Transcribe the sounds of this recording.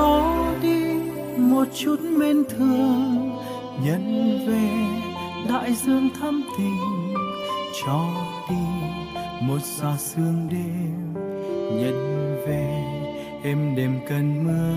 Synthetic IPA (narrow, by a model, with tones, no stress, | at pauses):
ɔ˨˦ɗi˧ | mo˨˩t̚t͡ɕu˦˥t̚me˧nt̪ʰɨ˨˧˩əŋ | ɲə̰˧˥nve˨˩ | ɗa̰ː˧˨jzɨ˧əŋt̪ʰa˧mt̪i˨˩n | t͡ɕɔ˧˩ɗi˧ | mo˨˩t̚zɔ˨˧˩zɨ˧əŋɗi˧ | ɲə̰˧˨nve˨˩ | ʔɛ˧mɗe˨˩mkə˨˩nmɨ˧ə